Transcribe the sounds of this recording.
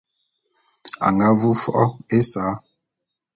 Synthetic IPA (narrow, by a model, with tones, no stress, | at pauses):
a̰˨ŋɡa˦vu˦fɔ̰˦ʔɔ˦e˦saː˨˦